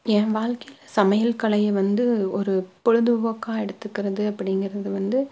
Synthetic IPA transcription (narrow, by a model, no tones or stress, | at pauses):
ɛ̃ːʋaːɻkɐjɪlsɐmɐjɐlkɐɭɐjɐʋɐnd̪ɯɔɾɯpɔɻɯðɯʋɐkːaːɛɽɯt̪ːɯkːɪɾɐðɯɐpːɐɽɪŋɡɪrɐðɯʋɐnd̪ɯ